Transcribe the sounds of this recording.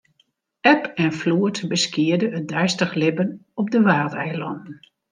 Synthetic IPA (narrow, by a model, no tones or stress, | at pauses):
ɛpɛnfluətbəskɪədəət̚dɛjstəχlɪbənɔp̚dəʋaːrˠtɛjəlɔndn̩